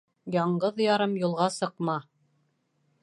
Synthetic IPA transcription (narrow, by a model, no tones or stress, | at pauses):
jɑɴɢɤðjɑɾɤmjulˠʁɑsɤ̆qmɑ